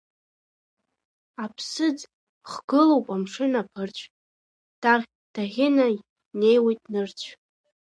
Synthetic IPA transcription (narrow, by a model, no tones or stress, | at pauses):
apʰsɨd͡z | χɡ̥ɨlowpʼamʂɨnapʰɨrt͡ɕʷʰ | d̥aʁʲ | d̥aʁʲɪna | ne̞jwejtʼnɨrt͡ɕʷʰ